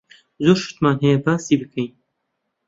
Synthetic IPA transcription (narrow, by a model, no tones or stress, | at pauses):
zoːɾʃɨ̥t̪maːnɦɛjɛbaːsiːbɨkʰejn